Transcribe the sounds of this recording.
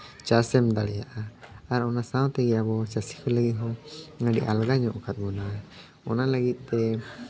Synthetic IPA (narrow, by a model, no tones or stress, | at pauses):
t͡ʃasɛmd̪aɽɛjaʔaaɾɔnasawt̪ɛɡɛjabɔt͡ʃasi̥kʰɔləɡit̪̚ɦɔ̃ŋaɖḭʔalɡaɲɔʔkat̪̚mɔna | ɔnalaɡit̪̚ˀt̪ɛ